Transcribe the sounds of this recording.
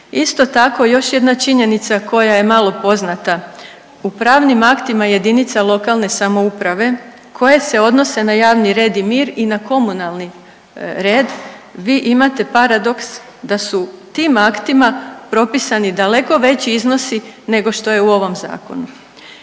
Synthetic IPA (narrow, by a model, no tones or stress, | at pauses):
ist̪o̞t̪ako̞jo̞ʃje̞d̪nat͡ʃiɲe̞nit̪sakʰo̞jaje̞malˠo̞po̞znat̪a | upɾaːʋnimakt̪imaje̞d̪init̪salˠo̞kalˠne̞samo̞upɾaʋe̞ | kʰo̞je̞se̞o̞d̪no̞se̞najaːʋniɾe̞ːd̪imiːɾinako̞munalni | ɾe̞ːd̪ʋiːʔimat̪e̞paɾad̪o̞ks | d̪asut̪iːmakt̪imapɾo̞pisanid̪ale̞ko̞ʋe̞t͡ɕiizno̞sine̞ɡo̞ʃt̪o̞je̞uo̞ʋo̞mza̰ːko̞̰nu